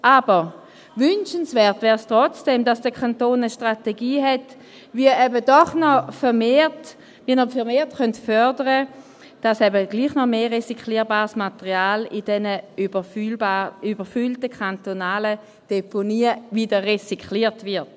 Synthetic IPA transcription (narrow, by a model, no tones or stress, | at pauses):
ʔabəʁ | vʏnʃənsvɛːɐtvɛːʁstʁɔt͡sd̥emdasd̥əkʰantoːnəʃtʁateɡiːɦɛt | viəɛbədɔχnɔfɛmet | viːənɔfɛʁmeːɐtχœntfœɐdəʁə | d̥asɛbəɡliːχnɔmeːʁesikliːəbaːʁsmatəʁiaːlidɛnəbə | ybəfyltəkʰantonaːlə | d̥eponiːəviːdəʁesikʰliːɐtvɪt